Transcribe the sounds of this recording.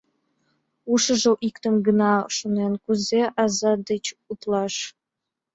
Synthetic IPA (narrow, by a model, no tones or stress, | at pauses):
uʂə̆ʒə̆wʔikt̪ə̆mɡənɑʃunenkuzeʔɑzɑd̪ət͡ɕut̪lˠɑʂ